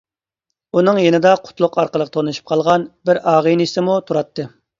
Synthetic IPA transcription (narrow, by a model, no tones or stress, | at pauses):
unɨŋjenɪd̪ɑqʰʊ̥t̪lˠʊqʰɑɾqəlˠəqʰə̥t̪ʰonuʃu̥p̚qʰɑlˠʁɑnbɪɾɑːʁəniʃt̪ɪmut̪ʰuɾɑt̪ʰːɨ